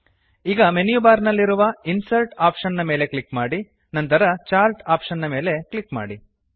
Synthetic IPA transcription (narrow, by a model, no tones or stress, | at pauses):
iːɡɐmenjubaːɾnɐlːiɾuʋɐinsɐlʈaːpʂɐnːɐme̞ːle̞kɭikmaːɽi | nɐnt̪ɐɾɐt͡ʃaːɾlʈaːpʂɐnːɐme̞ːle̞kɭikma̰ːɽi